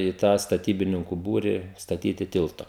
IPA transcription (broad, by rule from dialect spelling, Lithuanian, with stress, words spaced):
iː tɑː stɐˈtʲiːbʲɪnʲɪŋkʊ ˈbuːrʲɪ stɐˈtʲiːtʲɪ ˈtʲɪlˠtoː